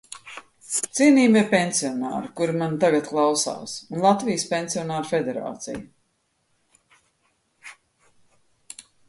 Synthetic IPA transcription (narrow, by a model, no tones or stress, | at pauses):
t̪siɛniːmipeɛnsiɔna̰ːɾikuɾimant̪aɡat̪klˠawsa̰ːsunlˠat̪vijspʲenʲsiɔnaːɾfed̪eɾa̰ːt̪sḭj